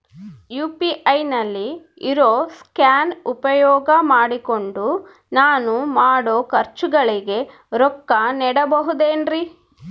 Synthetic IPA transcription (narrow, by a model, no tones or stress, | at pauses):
juːpiʔɐjnɐlːi | iɾoːskjaːnupɐjɔːɡɐmaːɽiko̞ɳɖu | naːnumaːɽoːkɐɾt͡ʃuɡɐɭiɡe̞ | ɾɔkːɐnɛːɽɐbɐɦud̪eːnɾi